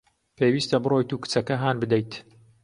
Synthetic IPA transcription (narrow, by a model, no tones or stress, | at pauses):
pʰeːwiːst̪ɐbɨroːjt̪uːkɨ̥t͡sɐkɐɦaːnbɨd̪ɐjt̪